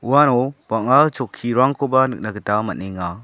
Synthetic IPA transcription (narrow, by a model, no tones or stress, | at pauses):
uwanɔbaŋat͡ʃɔkʰːiɾaŋkʰɔbanɯk̚naɡɯtamaniŋa